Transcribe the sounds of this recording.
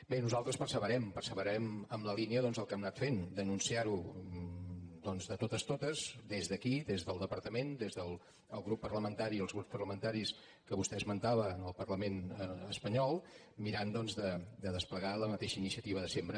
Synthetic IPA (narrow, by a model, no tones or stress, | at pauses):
benuzalˠt̪ɾəspərsəβəɾɛmpərsəβəɾɛməmləliniəðɔnzəlˠkɛmnat̪fend̪ənunsiaɾu | d̪ɔnzðət̪ot̪əst̪ot̪əzd̪ezðəkiðezðəlˠd̪əpəɾt̪əmend̪ezðəlˠ | əlˠɣɾupːərləmənt̪aɾiəlˠzɣɾupspərləmənt̪aɾis | kəβust̪ɛəzmənt̪aβənəlˠpərləmenəəspəɲɔlˠ | miɾand̪ɔnzðəd̪əðəspləɣaləmət̪eʃəinisiət̪iβəðəsembɾə